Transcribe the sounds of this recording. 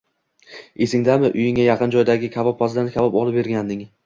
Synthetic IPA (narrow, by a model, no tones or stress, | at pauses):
e̞sɪŋd̪amɪʔʊjɪŋajɑqʰɨnd͡ʒɒjd̪aɡʲɪkʲʰavɒpχɒzd̪ankʲʰavɒpɒlˠɪp̚be̞ɾɡʲand̪ɪŋ